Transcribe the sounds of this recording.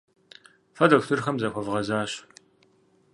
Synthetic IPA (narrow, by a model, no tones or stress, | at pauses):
fɐdoktʰɨrxɐmzɐxʷɔvʁɐzaːɕ